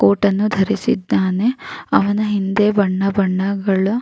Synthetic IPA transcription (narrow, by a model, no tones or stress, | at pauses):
koːʈɐnːud̪ʱɐɾisḭd̪ːaːne̞ɐʋɐnɐɦind̪eːbɐɳːɐbɐɳːɐɡɐɭu